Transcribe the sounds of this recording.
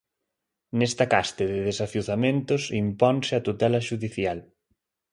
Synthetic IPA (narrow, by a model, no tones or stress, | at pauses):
nɛst̪ɐkast̪eðɪðesaθjuθamẽnt̪ʊsimpɔnsɪat̪ut̪ɛlɐʃuðiθjal